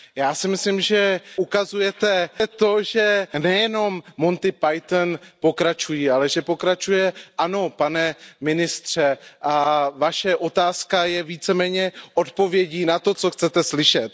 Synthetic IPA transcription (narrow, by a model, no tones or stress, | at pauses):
jaːsɪmɪslɪmʒɛʔukazujɛt̪ɛt̪o̞ʒɛnɛjɛno̞mːo̞nt̪ɪpajt̪npo̞kɾat͡ʃujialɛʒɛpo̞kɾat͡ʃujɛʔano̞panɛmɪnɪst̪r̝̥ɛʔavaʃɛʔo̞t̪aːskajɛviːt͡sɛmɛːɲɛʔo̞t̪po̞vjɛɟiːnat̪o̞t͡so̞xt͡sɛt̪ɛslɪʃɛt̪̚